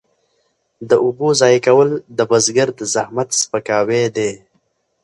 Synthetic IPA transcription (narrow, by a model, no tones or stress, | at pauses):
d̪əʔʊbozɑjkawəld̪əbəzɡəɾd̪əzahmat̪spəkɑwed̪e